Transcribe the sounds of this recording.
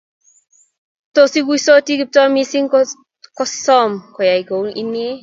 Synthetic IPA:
tosiɡuisotiɡip̚tɔmisiŋ | kɔsɔmkɔjajɡownḭnːie

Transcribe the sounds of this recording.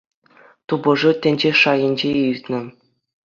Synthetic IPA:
t̪ubɤ̆ʐɤ̆tʲɘ̆nʲd͡ʑeʂɑjɘ̆nʲd͡ʑeirʲt̪ʲnʲɘ̆

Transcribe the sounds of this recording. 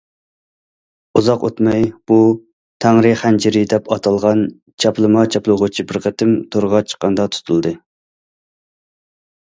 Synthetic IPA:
uzɑqo̰t̪mɑjb̥u | t̪ʰæŋɾɨχænt͡ʃʰiɾɪd̪ɛpɑt̪ʰɑlˠʁɑn | t͡ʃʰɑplˠɨmɑt͡ʃʰɑplˠɨʁʊt͡ʃʰibɪɾqʰət̪ɪmt̪ʰoɾʁɑt͡ʃʰə̥qːɑnd̪ɑt̪ʰu̥t̪ʰulˠd̪ɨ

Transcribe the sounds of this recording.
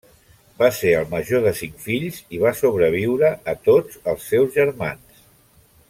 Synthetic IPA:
baseəlˠməʒoðəsiŋkfiʎziβasoβɾəβ̞iwɾəːt̪od͡zəlˠsːɛwzʒəɾmans

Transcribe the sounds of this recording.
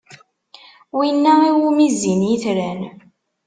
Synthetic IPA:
winːæiwumizinjiθɾæn

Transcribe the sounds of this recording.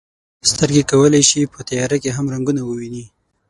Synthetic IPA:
st̪əɾɡekawəlajʃipət̪ajɑɾakeɦamɾaŋɡunawəwini

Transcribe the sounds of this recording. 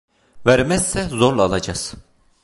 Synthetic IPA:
væɾmɛssɛzoɾlˠːlˠɑd͡ʒɑs

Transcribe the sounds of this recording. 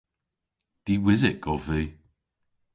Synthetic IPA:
d̪̥iwɪzɪkʰɔviː

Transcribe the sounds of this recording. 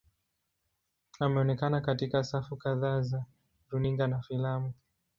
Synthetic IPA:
amɛɔnɛkanakatikasafukaðaːza | ɾuniŋɡanafilamu

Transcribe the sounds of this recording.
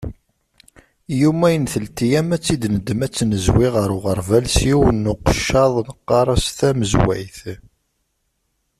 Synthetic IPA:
jumæjənθəlt̪ijæmæt͡sːid̪nəd̪əmæt͡sːnəzwiʁəɾʊʁəɾˤvælsjiwənːʊqə̥ʃːɑðˤnəqːɑɾˤɑsθæməzwæ̰jθ

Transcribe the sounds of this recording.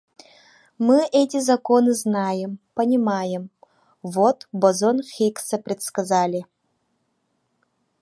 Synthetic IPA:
mɨʔɛtʲizɐkonɨznajɪmpɐnʲimajɪm | vot̪bozonxʲiksɐpɾʲɛt̪skɐzalʲɪ

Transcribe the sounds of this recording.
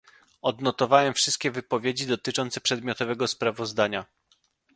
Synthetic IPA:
ɔd̪nɔt̪ɔvawɛmfʂɘst̪̚kʲɛvɘpɔvʲjed͡ʑid̪ɔt̪ɘt͡ʂɔnt̪sɛpʂɛd̪mʲjɔt̪ɔvɛɡɔspɾavɔzd̪aɲa

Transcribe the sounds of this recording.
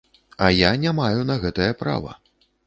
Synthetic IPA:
ɐjanʲamajunɐɣɛt̪ɐjɐpɾa̰vɐ̰

